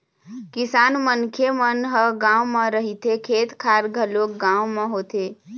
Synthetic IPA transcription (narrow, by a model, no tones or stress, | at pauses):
kisanmənkʰjemənɦəɡãwmə̃ɾəɦit̪ekʰet̪kʰaɾɡʱəlokɡãũmẽɦot̪e